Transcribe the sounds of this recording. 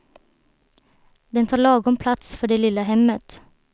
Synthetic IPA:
d̪ɛnt̪ʰɑːɾɭɑːɡɔmpʰlɑt̪sfɔɖeːlɪləhɛmət̪

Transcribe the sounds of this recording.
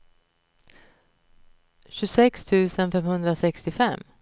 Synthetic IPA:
ɕɵsɛkst̪ʰʉ̟ːsənfɛmhɵnd̪ɾasɛkst̪ɪfɛmː

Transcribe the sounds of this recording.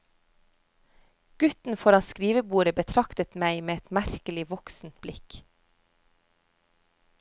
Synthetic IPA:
ɡ̥ʉt̪n̩fɔɾɑskɾiːʋəbuːɾəbət̪ʰɾɑkt̪ət̪mæɪmeːɛt̪mæɾkəlɪʋɔksn̩t̪̚blɪk

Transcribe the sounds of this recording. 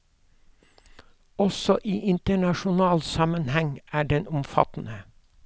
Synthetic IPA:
ɔsɔʔiːʔɪnt̪əɳɑʃʊnɑːlsɑmənhɛŋæːɖɛnʊmfɑ̰t̪n̩ə

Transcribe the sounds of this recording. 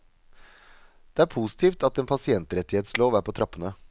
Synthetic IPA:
d̪̥ɛæːɾpʰuːsɪ̥t̪ʰiːft̪ɑt̪eːnpʰɑsɪɛnt̪əɾɛt̪ɪheːt̪sloːʋæːɾpʰɔːt̪ʰɾɑpːənə

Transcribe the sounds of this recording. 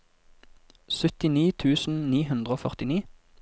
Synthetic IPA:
sœt̪ɪniːt̪ʰʉːsn̩niːhʉnd̪ʁəoːfœʁt̪ɪniː

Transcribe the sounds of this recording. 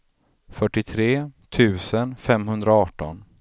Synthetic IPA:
fœʈːɪt̪ʰɾeːt̪ʰʉ̟ːsənfɛmɦɵnd̪ɾaɑːʈːɔ̰n

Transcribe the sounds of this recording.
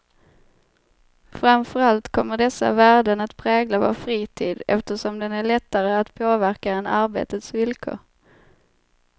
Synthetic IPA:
fɾamfœɾalt̪kʰɔmːəɖɛsːa̰væːɖənat̪pʰɾɛːɡlavɔ̰fɾiːt̪ʰiːd̪ɛ̰ft̪əʂɔmd̪ɛnæɭɛt̪ːaɾəat̪pʰoːvæɾkaɛnaɾbḛːt̪ət̪svɪlkʰo̰ːɾ

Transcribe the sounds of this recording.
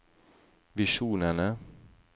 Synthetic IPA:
vɪʂuːnəɳə

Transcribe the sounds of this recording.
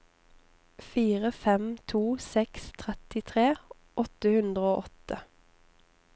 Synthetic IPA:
fiːʁəfɛmt̪ʰuːsɛkst̪ʰʁɛt̪ɪt̪ʰʁeː | ʔɔt̪əhʉnd̪ʁəoːʔɔt̪ə

